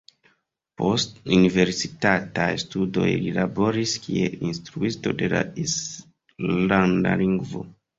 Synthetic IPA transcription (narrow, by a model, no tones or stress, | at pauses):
po̞stunive̞ɾsitatajstudo̞̰jlilabo̞ɾiskie̞instɾuisto̞de̞la̰is | landa̰liŋɡvo̞̰